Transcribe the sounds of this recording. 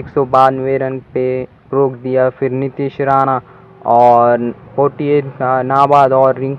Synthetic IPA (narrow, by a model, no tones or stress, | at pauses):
ksobaːnʋeːɾənpe | ɾoːkd̪ijafʰɪɾnɪt̪iʃɾaːña | ɔːɾpoːʈijenaːbaːd̪ɔːɾːɪ̃ŋk